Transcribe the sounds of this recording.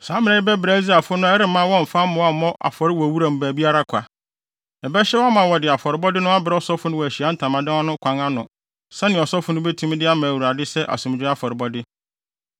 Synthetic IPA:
sãː˨˦mɪ̃˨ɛ˨ɪ˦bɛ˦bɪ˨ɾa˨˦d͡zi˦a˨fʊ˦nʊ̃˦ɛ˦ɾɪ˦mã˦wɔ̃˦m̩˨fa˦mʊ̃˨˦a˦m˨mɔ̃˦ʔa̰˨fɔ˨ɾɪ˦wɔ˨wu˦ɾa˨m̩˨bæ˨bi˦a˦ɾa˦kʷʰa˨ | ɛ˨bɛ˦ɕɛ˦wmã˨wɔ˨dɪ˨a˨fɔ˨ɾɪ˨˦bɔ˦dɪ˦nʊ̃˦a˦bɪ˨ɾɛ˦ɔ˦sɔ˦fʊ˦nʊ̃˦wæ˨ɕi˨a˨˦n̩˦tʰã˨mã˨dɪ̃˦a˦nʊ̃˦kʰʷã˨ŋã˦nʊ̃˨ | sɛ˦nɪ̃˨ɔ˨sɔ˦fʊ˦nʊ̃˦bɛ˦tʰũ˦m˦dɪ˦a˦mã˨wu˨ɾa˨dɪ˦sɛ˦ʔa̰˨sʊ̃˨m˨d͡ʑᶣa˦fɔ˨ɾɪ˨bɔ˦dɪ˦

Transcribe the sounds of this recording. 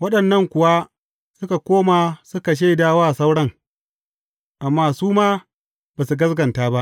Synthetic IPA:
wɐ˦ɗɐ˨nːɐ˦ŋkʷʊ˨wa˦ | sʊ˦ka˨kʷoː˦maː˨sʊ˦ka˨ʃ̬a˦˨daː˦waː˦˨sa˦wɽɐ˦ŋ | ʔa˨mːaː˨suː˦maː˦ | baː˨su˨ɡɐ˦sɡɐ˨ntaː˦ba˦ʔ

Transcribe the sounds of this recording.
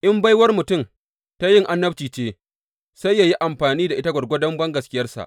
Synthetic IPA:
ʔɪ˦mba˦jwɐ˦rmʊ˨tʊ˦˨m | ta˦jɪ˦ŋʔa˦nːɐ˦ɸt͡ʃiː˨t͡ʃeː˦ | sa˦jːaː˨ji˦ʔa˨mɸaː˨niː˦da˨ʔɪ˦ta˦ɡʷɐ˨ɽɡʷo˦dɐ˦mbɐ˦ŋɡɐ˨skʲɪ˦jɐ˦rsa̰˨ʔ

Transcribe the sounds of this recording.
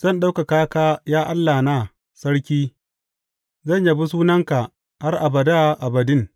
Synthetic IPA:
z̥ɐ˦˨nɗa˦wka˨kaː˦kaː˦jaː˦ʔa˦lːaː˨naː˦˨ | sɐ˦ɽkʲiː˦ | zɐ˦˨ɲja˦bi˦s̬uː˦nɐ˦ŋka˨ | ha˦rʔa˨bɐ˨da˦ʔa˨bɐ˨dɪ˦ŋ

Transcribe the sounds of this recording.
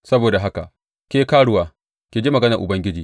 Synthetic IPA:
sɐ˦boː˨da˨ɦa˦ka̰˨ʔ | kʲeː˦kaː˦ɽʊ˨waː˨ | kʲeː˨d͡ʒiː˦mɐ˨ɡɐ˦nɐ˨ʔʊ̰˨bɐ˦ŋɡʲɪ˦d͡ʒiː˨

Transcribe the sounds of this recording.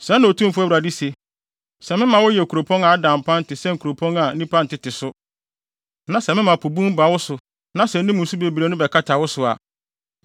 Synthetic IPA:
sɛ̃˨˦nã˨o˨tʰũ˦fʊ˦æ˦wɾa˨di˦se˨ | sɛ˨mɪ̃˦mã˨wɔ˦jɛ˨kʰu˨ɾo˨pʰɔ̃˦ŋa˨a˦dã˨m̩˨pʰã˦n̩˦tʰɪ˨sɛ̃˦ŋ̩˨kʰu˨ɾo˨pʰɔ̃˦ŋa˨˦nĩ˦pʰã˦n̩˨tɪ˨tʰɪ˨sʊ˦ | nã˨sɛ˨mɪ̃˦mã˨pʰo˨bũ˦m˦ba˨˦wɔ˦sʊ˨ | nã˦sɛ˨n̩˦nɪ̃˦mũ˨n̩˦su˦be˨bɾe˨˦nʊ̃˦bɛ˨kʰa˦tʰa˨wɔ˦sʊ˨a̰˨

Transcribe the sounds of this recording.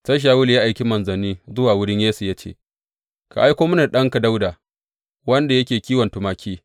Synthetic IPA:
tɐ˦ʃ̬aː˨wʊ˦lja˦ʔa˨jkʲi˦mɐ˨nzɐ˨niː˦zʊ˦waː˨wʊ˦ɽɪ˦ɲjeː˦su˨ja˦t͡ʃḛ˦˨ | ka̰˨ʔa˦jkʷoː˦mʊ˦na˨ɗɐ˦ŋka˨da˦wdaː˨ | wɐ˦nda˨jɐ˦kʲeː˨kʲiː˦wɐ˨ntʊ˨maː˨kʲʰiː˦

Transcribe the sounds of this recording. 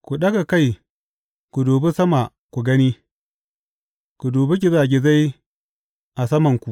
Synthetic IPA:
ku˨ɗɐ˦ka˨ka˦˨j | ku˨doː˨bu˦sɐ˦ma˨ | ku˨ɡɐ˦niː˦ | ku˨doː˨bi˦ɡʲɪ˨za˦˨ɡʲɪ˨za˦j | ʔa˨sɐ˦mɐ˨ŋkʷu˨ʔ

